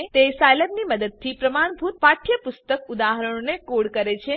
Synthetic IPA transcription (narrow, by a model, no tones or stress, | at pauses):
t̪esajləbniməd̪əd̪̚t̪ʰipɾəmaɳbʱut̪̚paʈʰjəpʊst̪əkud̪aɦəɾəɽ̃onekoɽkəɾet͡ʃʰe